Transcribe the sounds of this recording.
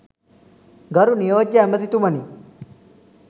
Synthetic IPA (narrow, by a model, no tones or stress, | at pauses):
ɡəɾunijod͡ʑamət̪it̪uməni